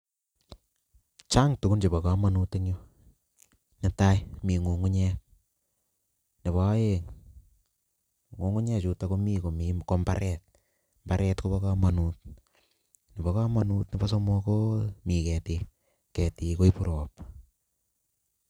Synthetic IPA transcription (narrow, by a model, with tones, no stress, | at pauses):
t͡ʃa˦ŋtu˨ku˦nt͡ʃi˨bɔ˨ka˦ma˨nu˦ti˦ŋo˦ | nɪ˦ta˦jmi˨ŋu˨ŋu˦ɲɛ˦ | nɪ˨βa˦je˦ŋ | ŋu˨ŋu˦ɲɛ˦t͡ʃu˨ta˦ko˦mi˦ko˨mimko˦mba̰˦ɾɛ˦t̚ | mba˦ɾɛ˦tko˦bɔ˦ka˦ma˨nut̚ | nɪ˨bɔ˨˦ka˦ma˨nu˦tnɪ˦ba˦s̬o˦mɔ˧ko˦mi˨kɛ˨te˧ | kɛ˨ti˨ko˦i˦pu˦ɾoː˨p